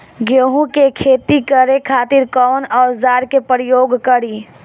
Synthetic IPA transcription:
ɡoːɦũkekʰeːt̪ikəɾekʰaːt̪ɪɾkɔːnɔːzaːɾkepɾjoːɡkəɽi

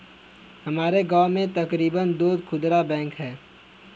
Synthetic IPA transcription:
hɐmaːɾeɡaːmẽt̪ɐkɾiːbənd̪oːd̪kʰʊd̪ɾabɛ̃ːŋkɦɛː

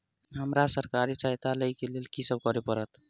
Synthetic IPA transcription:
ɦəmɾasəɾkaɾisajt̪aləjkelelkisəb̚kɔɾepəɾət̪

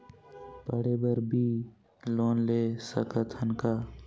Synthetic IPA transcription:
pəɽeːbəɾbʱiː | loːnleːsə̰kət̪ʰənkaː

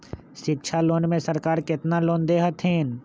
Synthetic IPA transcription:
ʃɪkt͡ʃʰaloːnmẽsɐɾkaːɾkɪt̪naloːnd̪eːɦət̪ɦẽːn

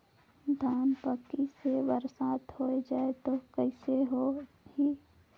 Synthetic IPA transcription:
d̪ʱaːnpəkːiseʋəɾsaːt̪hoːed͡ʒaːet̪okəɪseɦo | hi

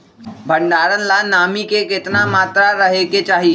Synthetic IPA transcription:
bʱə̃ɳɖaːɾənlanaːmikekɪt̪namaːt̪ɾaɾɐɦeket͡ʃaːɦi

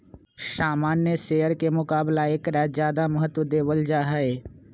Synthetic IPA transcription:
ʃaːmaːnːjəseːəɾkemʊkaːblaeːkɾaːzjaːd̪aməɦət̪wəd̪eːʋəld͡ʒaːɦaeː

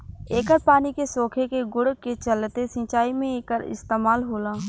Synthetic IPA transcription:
eːkəɾpaːnikesoːkʰekeɡʊɽket͡ʃəlt̪esɪ̃ːt͡ʃaːimẽeːkəɾɪ̰st̪eːmaːlɦoːlaː

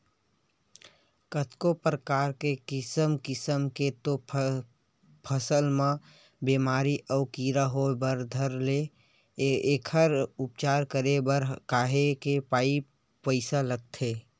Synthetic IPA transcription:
kət̪kopɾəkaːɾkekɪsəmkɪsəmket̪o | pʰəsəlmã | beːmaːɾiʔɔːkiːɾaɦobəɾd̪ʱəɾle | eːkʰəɾʊpt͡ʃaːɾkəɾebəɾkaːɦekepaːi | pəɪsaləɡ̚t̪ʰeː

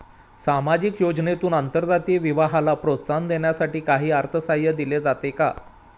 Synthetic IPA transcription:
samad͡ʑikjod͡znet̪uːnant̪əɾd͡zat̪iːʋiʋaɦalapɾot̪sand̪eɳjasaʈiːkaɦiːaɾt̪ʰəsajəd̪iled͡zat̪eka

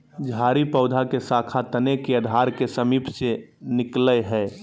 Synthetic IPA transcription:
d͡ʒʱaːɾipəʊd̪ʱakesaːkʰat̪ənekeəd̪ʱaɾkesəmiːpʰsenɪkləɦɛː

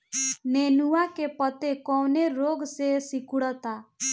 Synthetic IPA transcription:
nenuwakepɔt̪ekɔwneɾoɡsesikuɽɔt̪a

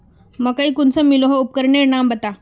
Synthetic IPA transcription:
məkəikʊnsəmiloɦoup̚kəɾɳeɾnambət̪a

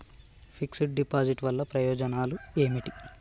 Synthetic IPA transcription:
pʰiksiʈ̚ɖipaːd͡ʒiʈʋɐlːɐpɾɐjɔːd͡ʒɐnaːlue̞ːmiʈi

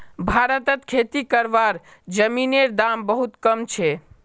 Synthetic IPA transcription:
bʱaɾət̪ət̪kʰet̪ikəɾbaɾ | d͡ʒəmineɾd̪ambəɦut̪kəmt͡ʃʰɛ

